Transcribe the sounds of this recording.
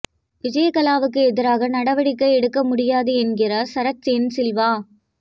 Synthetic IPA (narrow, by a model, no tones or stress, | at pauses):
ʋɪd͡ʒɐjɐkɐlaːʋɯk̬ːɯɛðɪɾaːɣɐnɐɽɐʋɐɽɪkːɐɛɽɯkːɐmʊɽɪjaːðɯɛnɡɪrɐsɐɾɐt͡ʃːensɪlʋaː